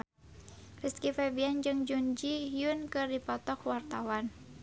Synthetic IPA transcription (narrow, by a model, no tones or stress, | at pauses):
riskifɛbiand͡ʒɨŋd͡ʒund͡ʒiɦjunkɨrdipɔt̪ɔkwart̪awan